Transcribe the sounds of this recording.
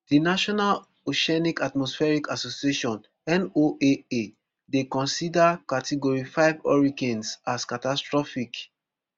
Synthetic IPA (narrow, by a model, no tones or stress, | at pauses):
d̥inaʃɔnal | oʃɛnikatmɔsfɛɹikasosieʃɔ̃n | ɛ̃noʔee | dekɔ̃nsidakatʰiɡɔɹifaɪvɔ̰ɹiɡɛ̃nsaskatastɹɔfik